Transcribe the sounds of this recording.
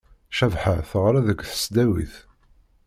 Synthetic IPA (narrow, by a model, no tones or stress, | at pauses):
ʃævħaθəʁɾæðəɡʷθə̥sd̪æwḭθ